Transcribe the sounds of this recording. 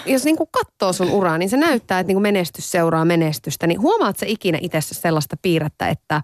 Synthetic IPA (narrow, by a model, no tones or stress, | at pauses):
josniːŋkukkɑt̪ːoːsunʔurɑniːnsenæyt̪ːæːet̪niːŋkumenest̪ysseurɑːmenest̪yst̪æniɦuomɑːt̪seikinæ̰ʔit̪esːæsselːɑst̪ɑpiːrɑt̪ːæ̰ḛt̪ːæ